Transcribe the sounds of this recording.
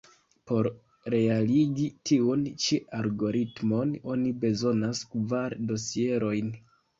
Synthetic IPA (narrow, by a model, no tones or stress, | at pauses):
po̞ɾ | ɾe̞aliɡitiunt͡ʃeʔaɾɡo̞ɾitmo̞no̞nibe̞zo̞naskvaɾdo̞sie̞ɾo̞jn